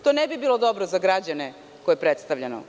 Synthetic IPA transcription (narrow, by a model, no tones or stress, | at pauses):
t̪onebibiːlod̪o̞bɾozaɡɾad͡ʑane | kojepɾet̪st̪aʋʎeno̰